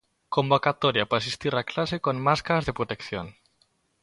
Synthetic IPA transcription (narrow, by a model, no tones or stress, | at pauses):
kombokat̪oɾjapaas̬ist̪iɾaklasekonmaskaɾazðepɾot̪ekθjon